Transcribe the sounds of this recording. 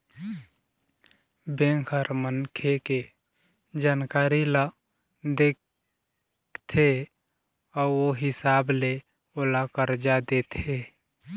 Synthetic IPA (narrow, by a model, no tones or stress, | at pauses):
bẽŋkʰəɾmənkʰeke | d͡ʒaːnkaːɾilə | d̪ek | t̪ʰe | ɔːɾoɦɪsable | olakəɾd͡ʒad̪et̪ʰe